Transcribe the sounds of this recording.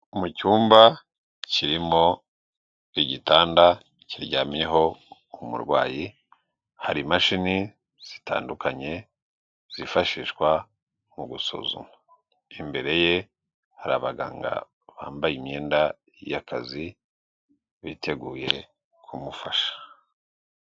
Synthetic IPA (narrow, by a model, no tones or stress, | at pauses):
umucuːmba | ciɾimo̞ | iɟitaːnda | ciɾɟamjeɦo̞ | umṵɾɡwaːji | haɾimaʃini | z̥i̥ta̰ːndukaɲe̞ | z̥ifaʃiːʃkwa | muɡusṵzṵma | imbe̞ɾe̞je̞ | haɾaβaɡa̰ːŋɡa̰ | βa̰ːmbajimɲeːnda | jakazi | βitʰe̞ɡuːje̞ | kʰumufaʃḁ